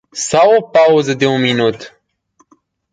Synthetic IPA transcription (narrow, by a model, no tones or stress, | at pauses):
sawopauzəd̪eunminut̪